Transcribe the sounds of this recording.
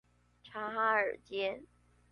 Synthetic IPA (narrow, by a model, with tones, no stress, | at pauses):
ʈ͡ʂʰa˧˥xa˥ə̰˞˨˩t͡ɕjɛ˥n